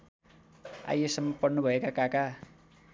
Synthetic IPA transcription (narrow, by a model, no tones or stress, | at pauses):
a̰jesʌmːʌpʌnːʌbʱʌekakaka